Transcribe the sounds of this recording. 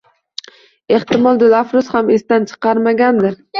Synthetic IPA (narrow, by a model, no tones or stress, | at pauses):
e̞ht̪ɪmɒlˠd̪ɪlafɾʊshamest̪ant͡ʃʰɨ̥qɑɾmaɡʲand̪ɪɾ